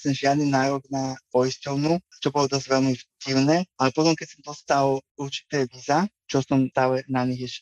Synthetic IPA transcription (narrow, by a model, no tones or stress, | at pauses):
sɛmʒɪad̪ninaːɾɔɡnapɔjiscɔʊnu | t͡ʃɔbɔlɔt̪ɛazʋɛlmifɟiʊnɛːʔalɛpɔt̪ɔmkɛcsɔmd̪ɔst̪aluɾt͡ʃi̥t̪ɛːʋiza | t͡ʃɔsɔmt̪aːlɛnaɲiɣɛʃ